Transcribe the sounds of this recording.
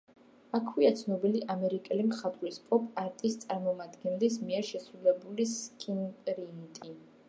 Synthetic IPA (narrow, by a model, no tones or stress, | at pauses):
akʰwiat̪sʰnɔbiliʔamɛɾikʼɛlimχat̪ʼɾispʼɔpʼaɾt̪ʼist̪sʼaɾmɔmad̪ɡɛnlis̬miɛɾʃɛsɾulɛbuliskʼinpʼɾint̪ʼi